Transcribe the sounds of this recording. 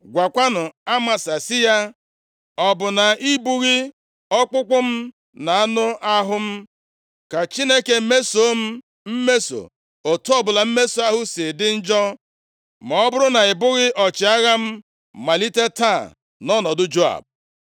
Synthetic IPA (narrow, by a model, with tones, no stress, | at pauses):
ɡʷa˨kʷa˦nʊ˨a˦ma˨sa˨sɪ˦ja˦ | ɔ˨bʊ˨na˨i˦bu˦ɣɪ˦ | ɔ˦k͡pʊ˦kʷʊ˦m̩˦ | na˨a˦nʊ˦a˦ɦʊ˦m̩˦ | ka˨t͡ʃi˦ne˦ke˨˦me˦so˦m̩˦ | m̩˦me˦so̰˨ | o˨tɔ˦bʊ˨la˨m̩˦me˦so˨a˦ɦʊ˦sɪ˨dɪ˦n̩˦d͡ʒɔ˦ | mɔ˨ɔ˦bʊ˦ɾʊ˦na˨ɪ˨bʊ˦ɣɪ˦ʔɔ˨t͡ʃɪ˨˦a˦ɣa˦m̩˦ | ma˨li˦te˦ta̰˦˨ | nɔ˦nɔ˨dʊ˦d͡ʒo˦a̰˨b̚